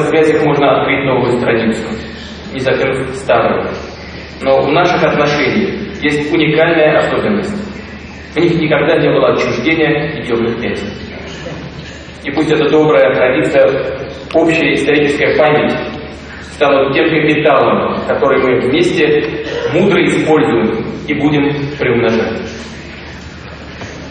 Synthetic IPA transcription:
svʲazʲɨxmo̞ʐnəɐt̪kɾɨt̚ʲno̞vʊjʊt̪ɾɐdʲit̪sɨjʊ | nʲɪzɐtʲemst̪aɾɨ̰j | no̞vnaʂɨxɐt̪nɐʂɛnʲɪjəxjesʲtʲʊnʲɪkalʲnəjəʔɐso̞bʲɪnːəsʲtʲ | vnʲixnʲɪkɐɡd̪anʲe̞bɨlˠəɐt͡ɕːɾʲɪʐdʲenʲɪjəɪdʲevnɨxpʲenʲsʲə | ipusʲtʲɛt̪əd̪o̞bɾəjət̪ɾɐdʲit̪sɨjə | o̞pɕːɪjəɪst̪ɐɾʲit͡ɕɪskəjəpamʲɪtʲ | st̪anʊt̪̚tʲːemɡʲəmʲɪt̪alˠəmkɐt̪o̞ɾɨjmɨvmʲesʲtʲɪmud̪ɾəɪspo̞lʲzʊjɪmibudʲɪmpɾʲɪʊmnɐʐa̰tʲ

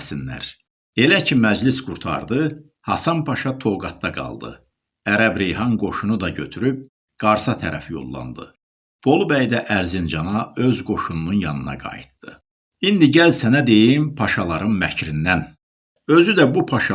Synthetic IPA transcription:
sinlæ̰ɾ | e̞læcʰimæd͡ʒlisɡuɾt̪ʰɑ̰ɾd̪ɯ | hɑsɑnpʰɑʃɑt̪ʰo̞lɡɑt̪̚d̪ɑɡɑ̰lˠd̪ɯ̰ | æɾæbɾejɦɑnɡo̞ʃunud̪ɑɟø̰t̪ʰyɾyb̚ | ɡ̥ɑɾsɑt̪ʰæɾʔæ̰fjo̞̰lˠːɑ̰nd̪ɯ̰ | b̥o̞lˠbæjd̪æʔæɾzind͡ʒɑnɑø̞zɡo̞ʃunununjɑnɯnɑ̰ɡɑ̰jḭt̪̚d̪̥ɯ | ind̪iɟælsænæd̪e̞jimpʰɑʃɑlˠɑɾɯnmæcʰɾind̪æn | ø̞zyd̪æbupʰɑʃɑ

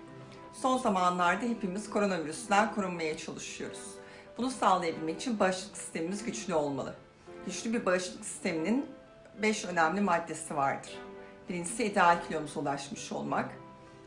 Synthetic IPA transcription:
so̞nzamanlˠaɾd̪aɦe̞pimiz̥kʰo̞ɾo̞naviɾysnænkʰuɾunmajat͡ʃʰalˠɯʃɯjo̞̰ɾuz̥ | bunusalˠajabilʲmeci̥t͡ʃʰinbaɾɯʃlˠɯksi̥st̪ʰe̞mimizɟyt͡ʃlʲyo̞lˠma̰lˠɯ̰ | ɟyt͡ʃlʲybiɾbaɾɯʃlˠɯksi̥st̪e̞minin | bɛʃø̞næmlʲimad̪ːe̞sivaɾd̪ɯɾ̥ | b̥iɾʲint͡ʃsɛid̪ealʲcʰilʲijo̞nuzulˠaʃmɯʃo̰lˠma̰k

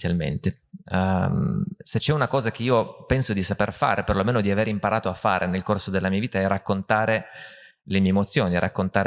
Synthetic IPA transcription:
jalmḛnt̪e | set͡ʃːɛunakɔːzak̟eiːopɛnsod̪isaperfa̰ːɾʔeperlomeːnod̪iaveːɾimpaɾʔaːt̪oafːa̰ːɾʔenelkorsod̪elːamiːaviːt̪aɛrakːont̪aːɾe | lemiɛemot̪sːjoːniɾʔakːont̪aːɾe

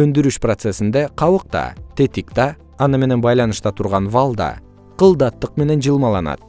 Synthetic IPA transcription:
ɵnd̪yɾyʃprot̪se̞sind̪e̞qʰɑwɯq̚t̪ɑ̰t̪e̞t̪ikt̪ɑː | nɯme̞ne̞nbɑjlˠɑnɯʃt̪ɑt̪ʰuɾʁɑnvalˠd̪ɑ̰ | qʰəlˠd̪ɑt̪ːəqme̞ne̞nd͡ʒɯlˠmɑlˠɑnɑ̰t̪̚

